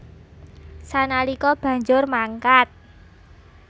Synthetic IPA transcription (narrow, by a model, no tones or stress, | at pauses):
sanalikɔb̥ä̤ɲd͡ʒʊrmaŋkat̪̚